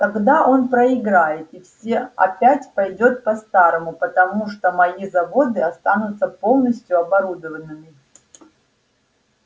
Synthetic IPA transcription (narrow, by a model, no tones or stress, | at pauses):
kɐɡd̪aʔo̞npɾəɪɡɾajɪt̪ifsʲeɐ̰pʲætʲpɐjdʲo̞t̪̚pɐst̪aɾəmʊpət̪ɐmuʂt̪omɐizɐvo̞d̪ɨɐst̪anʊt̪səpo̞lˠnəsʲtʲjʊɐbɐɾud̪əvənːɨmʲɪ